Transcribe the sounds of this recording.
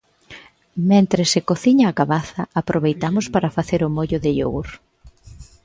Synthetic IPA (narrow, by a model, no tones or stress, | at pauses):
mẽnt̪ɾɪsekoθiɲɐːɣaβaθɐapɾʔoβejt̪amʊspaɾɐfaθeɾʊmoʎʊðɪʎo̰wɾ